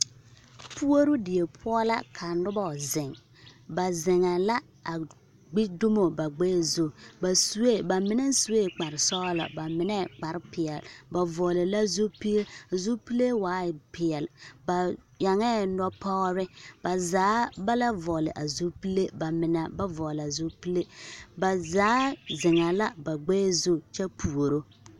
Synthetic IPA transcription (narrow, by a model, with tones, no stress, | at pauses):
pu˦o˦ɾu˦dɪ˨je˨pʰʊ˦ɔ˦la̰˦kʰa˨nʊ˦ba˦˨zɪ˨ŋ | ba˨zɪ˨ŋa˨la˦ | a˨ | ɡ͡bi˦du˦mo˨ba˨ɡ͡bɛ˦˨zo˦ba˨su˦we˦˨ba˨mɪ˦nɛ˦n˦su˦we˦˨k͡pa˨ɾɪ˨sɔ˦la̰˨ba˨mɪ˨nɛ˦k͡pa˨ɾpɪ˨ɛ˨lba˨vɔ˨lɪ˨la˦zu˦pi˦e˦a˨zu˦pi˦le˦waː˨˦˨pɪ˨ɛ˨lba˨ | ja˨ŋɛ˦nɔ˦pɔ˦ɾɪ˦ba˨zaː˨˦ba˦la˦vɔ˨lɪ̰˨ʔa˨zu˦pi˦le˦ba˨mɪ˨na˦ba˦vɔ˨la˨zu˦pi˦le˦ba˨zaː˨˦zɪ˨ŋa˨la˦ba˨ɡ͡bɛː˦˨zu˦t͡ʃɛ˦pʰu˨o˨ɾo˦